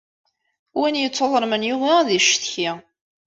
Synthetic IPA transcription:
wænjət͡sːoðˤəɾˤmənjuʁiðiʃθçi

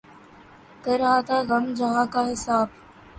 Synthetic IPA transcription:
kəɾɐɦat̪ʰaːɣɐmd͡ʒɐɦãːkaɦɪsaːb

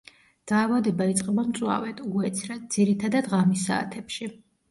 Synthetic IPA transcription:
d̪̥aːvad̪ɛbait̪sʼqʼɛbamt̪sʼwa̰vɛt̪ʰuɡuɛt̪sʰɾad̪z̥iɾit̪ʰad̪ad̪ʁamisa̰ːt̪ʰɛpʃi

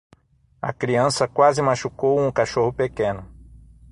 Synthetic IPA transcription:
ɐ̰kɾiɐ̃sɐkwazɪmaʃukowũkaʃohʊpekẽnʊ

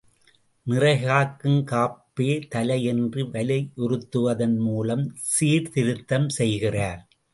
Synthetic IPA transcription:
nɪrɐɪɣaːkːɯmkaːpːeːt̪ɐlɐjɛndrɯʋɐlɐɪʔʊrɯt̪ːɯʋɐðɐnmuːlɐmsiːɾt̪ɪɾɯt̪ːɐmsɛjɣɪraːɾ

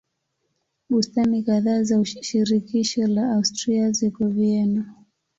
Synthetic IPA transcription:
ɓustanikaðaːzauʃiɾikiʃɔlaaustɾiazikɔviɛna

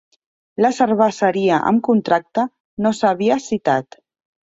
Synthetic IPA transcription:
ləsəɾβəsəɾiəʔə̰mkunt̪ɾak̚t̪ə | nosaβ̞iəsit̪at̪

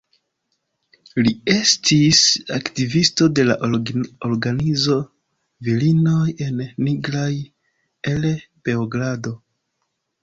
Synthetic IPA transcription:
lie̞stisaktivisto̞de̞la̰ʔoɾɡanizo̞ | vilino̞je̞nːiɡɾaj | elpe̞oɡɾado̞

